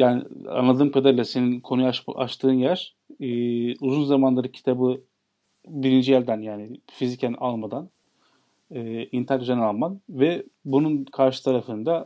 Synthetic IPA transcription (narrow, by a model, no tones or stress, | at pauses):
jaːnɪ̰a̰nlˠad̪ɯːmkʰad̪aɾlʲɛseninkʰo̞nujaa̰ʃt̪ʰɯːnjæɾ̥ː | uzunzamanlˠaɾɯcʰi̥t̪ʰabɯ | biɾind͡ʒijæɾʲd̪ænjaːnɪfizicænalˠmad̪an | ɯːint̪ʰakʒanalˠmanvɛbununkʰaɾʃɯ̥t̪ʰaɾafɯnd̪a